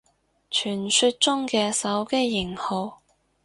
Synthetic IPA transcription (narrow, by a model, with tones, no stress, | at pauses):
t͡ʃʰyː˨˩nsy˧t̚t͡ʃʊ˥ŋkɛː˧sɐ˨˥wke˥jːɪ˨˩ŋho˨˧w